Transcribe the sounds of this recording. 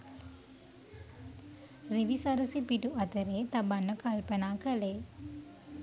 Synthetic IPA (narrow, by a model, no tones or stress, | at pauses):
ɾiʋisaɾəsipiʈuʔɐt̪əɾeːt̪ɐbanːəkalpənaːkəleː